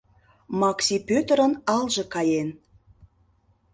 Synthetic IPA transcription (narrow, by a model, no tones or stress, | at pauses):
mɑksʲipøt̪əɾənɑlʒɤ̆kɑjen